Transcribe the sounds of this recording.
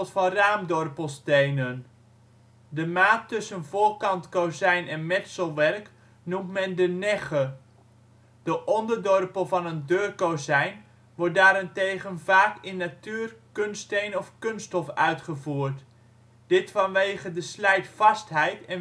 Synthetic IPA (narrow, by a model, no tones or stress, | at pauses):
tfɑnraːmdɔrpəlˠstejnən | dəmaːtːɵsənvʊːɹkɑntkowzɛjnɛnmɛtsəlˠʋɛrk | numtmɛndənɛχə | d̥əʔɔndəɹdɔrpəlˠvɑnəndøːrkowzɛjn | ʋɔɹt̚daːɾɛntejχənvaːkɪnːatyːrkɵnstejnɔfkɵnstɔfœɥtχəvuːrt | d̥ɪtfɑnʋejχədəslɛjtfɑstɦɛjtɛn